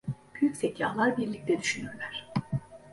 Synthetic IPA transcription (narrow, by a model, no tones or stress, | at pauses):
b̥yjycʲsɛcʰːaːlˠaɾbiɾlʲic̚t̪ʰɛd̪yʃynyɾlʲæɾ̝̥